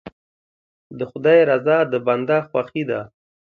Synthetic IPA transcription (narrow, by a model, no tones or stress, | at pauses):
d̪əxʊd̪ɑjɾazɑd̪əband̪axwaxid̪a